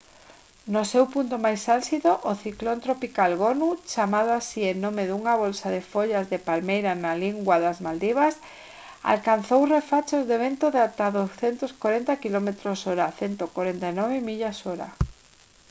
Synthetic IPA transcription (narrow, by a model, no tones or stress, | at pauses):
nosewpunt̪omajsalsiðoʔːθiklont̪ɾopikalɣonut͡ʃamaðoasiennõmeðuŋaβolsaðefoʎazðepalmejɾanaliŋɡwaðazmald̪iβas | a̰lkanθowrefat͡ʃozðeβ̞ent̪oðat̪aðosθent̪oskwaɾent̪akilomet̪ɾosoɾaθent̪okwaɾent̪ajnɔβ̞emiʎasoɾa̰